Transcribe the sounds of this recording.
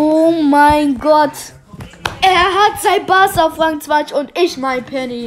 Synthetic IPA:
omaɪnɡɔt | ʔɛɐɦatz̥aɪbasafʁaŋt͡svat͡ʃʊntɪʃmaɪnpʰɛni

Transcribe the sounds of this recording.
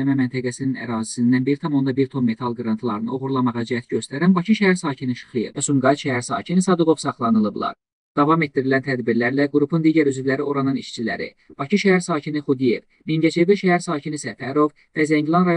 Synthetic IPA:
mæmænt̪ʰæɡæsininæ̰ɾɑːzisind̪ænbiɾit̪ʰɑmo̞nd̪ɑbiɾt̪ʰo̞mːe̞t̪ʰɑlˠɡɾɑnt̪ʰlˠɑɾɯnɯo̞ɣuɾlˠɑmɑʁɑd͡ʒææt̪ɟø̞st̪æɾænbɑcʰiʃæɦæɾsɑːcʰiniʃɯ̥χɯjɯvɛsumɡɑʃæɦæɾsɑ̰ːcʰinisɑd̪ubo̞vsɑχlˠɑnɯlˠɯblˠɑ̰ɾ | d̪̥ɑvɑme̞t̪̚ːd̪iɾilænt̪ʰæd̪biɾlæɾlæɡɾupʰund̪iːɟæɾyzyvlæɾio̞ɾɑnɯniʃt͡ʃʰilæ̰ɾḭ | b̥ɑcʰiʃæɦæɾsɑːcʰinixud̪ije̞v | minɟæt͡ʃʰeviʃææɾsɑːcʰinisæfæɾo̞v | væzæɲɟlˠɑnɾɑj

